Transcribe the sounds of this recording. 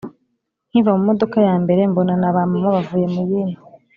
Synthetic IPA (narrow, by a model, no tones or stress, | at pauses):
n̥hivamumo̞do̞kajaːmbe̞ɾe̞mbo̞nanaβaːmumaβavuːje̞muβiːni